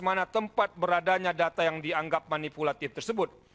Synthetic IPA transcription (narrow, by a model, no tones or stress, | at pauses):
manat̪əmpat̪̚bəɾadaɲadat̪ajaŋdiaŋɡap̚manipulat̪ɪft̪ərsəbʊt̪̚